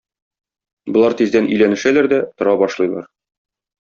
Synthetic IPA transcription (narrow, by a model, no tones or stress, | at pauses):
bŏlˠɑɾt̪izd̪ænʔɵ̆jlænɘ̆ʃælæɾd̪æt̪ŏɾɑbɒʃlˠɤ̆jlˠɑ̰ɾ